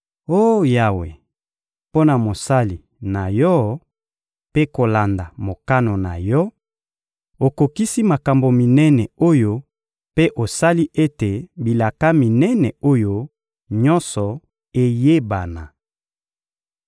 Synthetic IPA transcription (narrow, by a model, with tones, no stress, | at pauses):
o˦ja˨wḛ˨ | po˦na˨mo˨sa˦li˨ | na˨jɔ˦ | pe˦ko˨la˨nda˨mo˨ka˦no˨na̰˨jɔ˦ | o˨ko˨ki˦si˦ma˨ka˨mbo˨mi˨nɛ˦nɛ˨o˦jo˦ | pe˦ʔo˨sa˦li˦ʔe˦te˨bi˨la˨ka˦mi˨nɛ˦nɛ˨o˦jo˦ | ɲɔ˦nsɔ˨ | e˨je˦ba˨na˨